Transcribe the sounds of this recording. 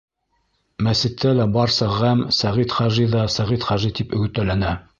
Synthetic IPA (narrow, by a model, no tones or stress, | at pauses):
mæsɘ̆t̪ʰːælæbɑɾsɑʁæmsæʁit̪χɑʒiðɑsæʁit̪χæʒit̪ipɵ̆ɡɘ̆t̪ːælænæ